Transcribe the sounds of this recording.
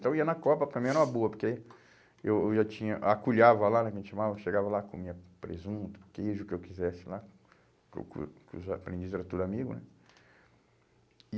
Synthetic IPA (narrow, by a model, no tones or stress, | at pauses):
t̪ɐ̃w̃iɐnɐkɔpɐppɾɐmĩɛɾũm̃ɐboɐpoɾke | ewewʒat͡ʃĩɲɐʔakuʎavɐlanɛkɐʒẽt͡ʃɪʃamavɐʃeɡavɐlakõmĩɲɐpɾḛzũt̪ʊ̥kejʒʊkɪewkizɛsɪ̥la | ko̰kkʊ̰zapɾẽnd͡ʒiszɛɾɐt̪od̪ʊamiɡʊnɛ